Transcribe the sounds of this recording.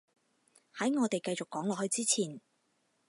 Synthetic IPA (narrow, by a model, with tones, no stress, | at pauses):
hɐ˨˥jŋɔː˨˧t̪e˨jkɐ˧jt͡sʊ˨kːɔː˨˥ŋlɔː˨˧hɵ˧ɥt͡siː˥t͡sʰiː˨˩n